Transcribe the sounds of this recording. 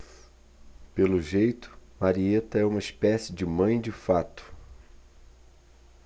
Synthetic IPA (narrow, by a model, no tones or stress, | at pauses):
pelʊʒejt̪ʊ̥maɾiet̪ɐɛũmɐispɛsɪd͡ʒɪmɐ̃j̃d͡ʒɪfat̪ʊ̥